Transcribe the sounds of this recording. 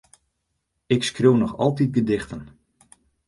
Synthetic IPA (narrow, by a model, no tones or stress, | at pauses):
ɪkskrøwnɔxɑ̰lˠtit̚ɡədɪxtən